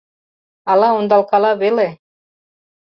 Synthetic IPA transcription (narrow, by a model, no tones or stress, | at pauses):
ɑlˠɑond̪ɑlˠkɑlɑβele